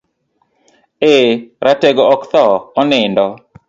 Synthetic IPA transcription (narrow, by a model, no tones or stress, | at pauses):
eɾateɡoɔkt̪ɔːnɪndɔ